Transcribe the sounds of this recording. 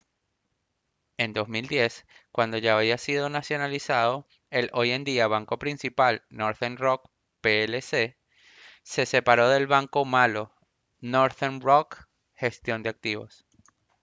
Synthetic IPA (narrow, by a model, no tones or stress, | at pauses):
e̞nd̪o̞zmild̪je̞skwand̪o̞ʝaːβiasiðo̞nasjo̞nalisað̞o̞ | e̞lo̞je̞nd̪iaβ̞aŋko̞pɾinsipalno̞ɾθenrok | pelese | se̞se̞paɾo̞ðe̞lβaŋko̞malo̞ | noɾθenrok | xe̞st̪jo̞nd̪eak̚t̪iβo̞̰s